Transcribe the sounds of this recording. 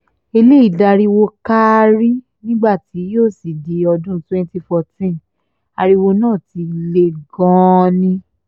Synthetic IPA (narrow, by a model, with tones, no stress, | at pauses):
e˧le˦i˦˨da˧ɾi˧wo˧ka˦ɾi˦ | nĩ˦ɡ͡ba˦˨ti˨˦joː˦˨si˨di˨ɔ˧dũ˦twɛ̃˦n˦ti˧fɔ˧tĩ˦n | a˧ɾi˧wo˧nãː˦˨ti˧le˧ɡɔ̃˦˧nĩ˧˦